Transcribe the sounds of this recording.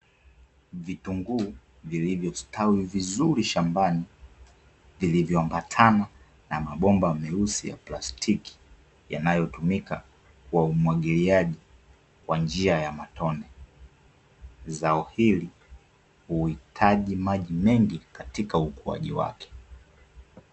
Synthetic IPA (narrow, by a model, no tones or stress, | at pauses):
vituŋɡuː | vilivjɔstʰawivizuɾiʃambani | vilivjɔambatʰana | namaɓɔmbamɛusija̰plastʰiki̥ | ja̰najɔtumika | kuwaumwaɠiliaʄi | kwand͡ʒiajamatɔnɛ | zaɔhili | huhitʰaʄimaʄimɛŋɡikatikaukua̰ʄiwa̰kɛ̥